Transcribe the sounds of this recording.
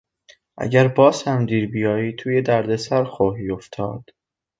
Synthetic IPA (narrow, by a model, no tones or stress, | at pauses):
ʔæ̰ɟæɾbɒːsæmd̪iːɾbijɒːjiːt̪ʰuːjed̪æɾd̪e̞sæɾxoɦiːoft̪ʰɒ̰ːd̪̥